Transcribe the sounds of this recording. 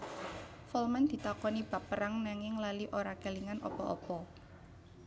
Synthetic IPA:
fɔlmand̪̥i̤t̪akɔnib̥a̤pːəɾaŋnaŋɪŋlaliʔoɾakeliŋanʔɔ̰pɔʔɔ̰pɔ

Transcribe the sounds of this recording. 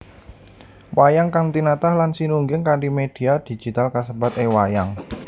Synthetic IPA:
wajaŋkaŋt̪inat̪ahlansinuŋɡɪŋkaɳɖimed̥i̤ad̪̥i̤d͡ʒ̥it̪alkasəbat̪ewajaŋ

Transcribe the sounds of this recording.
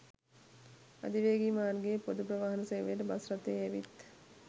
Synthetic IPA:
a̰d̪iʋeːɡiːmaːnɡeːpod̪upɾəʋaːɦɐnəseʋeːtəbasɾat̪eːæʋit̪

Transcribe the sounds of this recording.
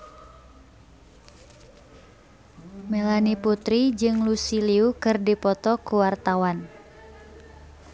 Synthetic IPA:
mɛlaniput̪ɾid͡ʒɨŋlusiliukɨrdipɔt̪ɔkuwart̪awan

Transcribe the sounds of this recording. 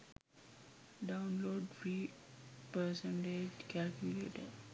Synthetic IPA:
ɖãʊ̃nloːɖfɾi | pəsɛ̃ɳʈed͡ʒkɛlkjulḛːʈəɖ

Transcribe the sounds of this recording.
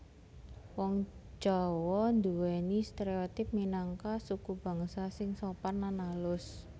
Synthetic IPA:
wɔŋd͡ʒ̥awɔnd̪uwɛnist̪eɾeot̪ɪp̚minaŋkasukub̥ä̤ŋsasɪŋsoparnanalʊs

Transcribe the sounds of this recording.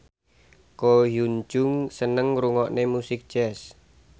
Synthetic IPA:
kojuɲd͡ʒʊŋsənəŋɾuŋɔʔnemusɪk̚d̥d͡ʒ̥ɛs

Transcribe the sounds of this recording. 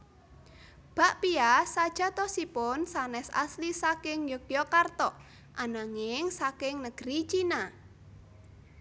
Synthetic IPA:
b̥a̤ʔpiasad̥ʒ̥a̤t̪ɔsipʊnsanɛsa̰slisakɪŋjokjɔkart̪ɔʔ | ʔanaŋɪŋsakɪŋnəɡ̥ɾit͡ʃina

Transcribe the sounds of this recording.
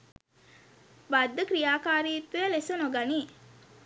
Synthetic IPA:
bad̪ːəkɾijaːkaːɾiːt̪ːujɐlesonoɡani

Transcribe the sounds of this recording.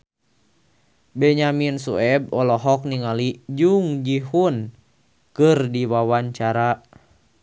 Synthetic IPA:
bɛɲaminsuɛb̚ɔlɔɦɔk̚niŋalid͡ʒuŋd͡ʒihun | kɨrdiwawaɲt͡ʃaɾa

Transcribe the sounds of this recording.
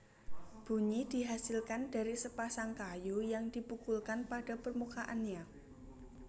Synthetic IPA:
b̥ṳɲid̥i̤ɦasɪlkand̥a̤ɾisəpasaŋkajujaŋd̥i̤pukulkanpaɖ̥a̤pərmukaʔanɲa

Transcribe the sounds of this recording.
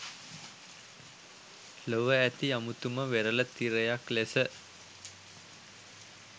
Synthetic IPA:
loʋəæt̪iamut̪uməʋeɾələt̪iɾəjaklesə

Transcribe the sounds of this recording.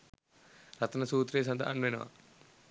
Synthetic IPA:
ɾɐt̪ɐnɐsuːt̪ɾeːs̬ɐnd̪aʔɐnʋenɐʋa̰

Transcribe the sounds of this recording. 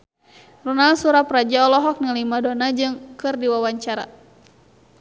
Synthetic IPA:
runalsuɾaprad͡ʒaɔlɔɦɔk̚nilimadɔnad͡ʒɨŋkɨrdiwawaɲt͡ʃaɾa̰

